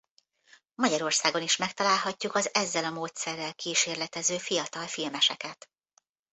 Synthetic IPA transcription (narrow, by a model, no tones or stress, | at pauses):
mɒɟɒɾo̞rsaːɡo̞niʃmɛk̚t̪ɒlaːlɦɒcːukɒzɛzːɛlɒmoːt̪sɛrːɛlkiːʃeːrlɛt̪ɛzøːfijɒt̪ɒlfilmɛʃɛkɛt̪